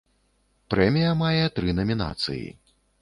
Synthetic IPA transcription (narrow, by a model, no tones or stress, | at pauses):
pɾɛmʲijɐmajɛt̪ɾɨnɐmʲina̰t̪sɨ̰jḭ